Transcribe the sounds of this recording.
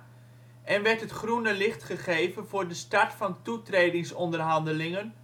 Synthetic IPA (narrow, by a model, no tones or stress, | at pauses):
ʔɛnʋɛɹtɦətχrunəlɪχtχəχejvənvʊːɹdəstɑɹtfɑntutreːjdɪŋsɔndərɦɑndəlɪŋən